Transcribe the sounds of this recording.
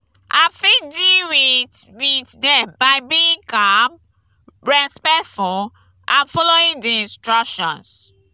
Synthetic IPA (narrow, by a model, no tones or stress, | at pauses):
ʔafidiwiwitdɛbaɪbĩĩŋkab̚ | ɹɛspɛtfɔ | ʔãnfɔloĩŋdiĩnstɹɔkʃɔ̰̃ns